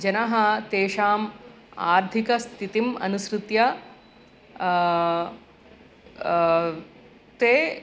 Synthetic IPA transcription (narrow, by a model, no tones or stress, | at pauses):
d͡ʒɐnɐɦɐt̪eːʂaːm | aːɾd̪ʱikɐst̪ʰit̪imɐ̰nusɾɨt̪jɐ | t̪eː